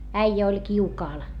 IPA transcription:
æijæ olʲ kiukɑːl

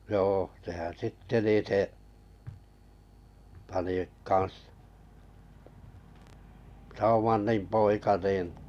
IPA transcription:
joː sehæn̞ sitːe niˑ se pɑni kɑn̞s sɑumɑnːim poikɑ niːn̞

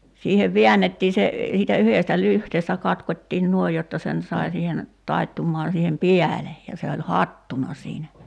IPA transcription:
siːheʋ ʋe̝ænːetːiː se siːtæ yheˑstæ lyhteːstæ kɑtkotʲtiːn nuoij jotːɑ sen sɑi siːhen tɑitːumːɑːn̞ siːhen piæle jɑ se olʲ hɑtːunɑ siːnæ

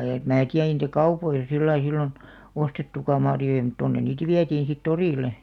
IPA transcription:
em mæː tiæ ei niˑtæ kɑupoisɑ silːɑi silːon ostetːukɑ mɑrjojɑ̆ mŭt tonːen̆ niːt ʋiætiːn̞ sit toriˑle

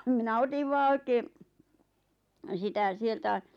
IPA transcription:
minæ otiʋ ʋɑː oikeː sitæ sieltæ

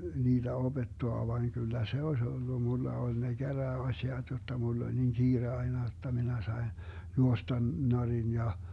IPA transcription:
niːd̥æ ob̥etːoɑ ʋɑiŋ kylːæ se osʲ olːu mulːɑ olʲ ne ɡ̊æræːɑsʲiɑt jotːɑ mulː olʲ niŋ ɡ̊iːre ɑinɑ jotːɑ minæ sɑin juostɑn norin jɑ

